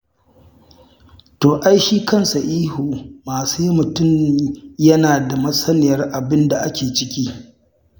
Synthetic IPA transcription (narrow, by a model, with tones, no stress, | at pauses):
toː˨ʔa˦jʃiː˦kɐ˦nsa˨ʔiː˦huː˨maː˨suː˦ji˦mʊ˨tʊ˦˨mjɐ˦naː˨da˨mɐ˦sɐ˦nɪ˨jɐ˦rʔa˨bɪ˦nda˨ʔa˦kʲeː˨t͡ʃɪ˦kʲiː˦